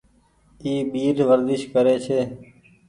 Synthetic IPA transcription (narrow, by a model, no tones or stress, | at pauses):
iːɓiːɾʋəɾd̪ɪʃkəɾeːt͡ʃʰeː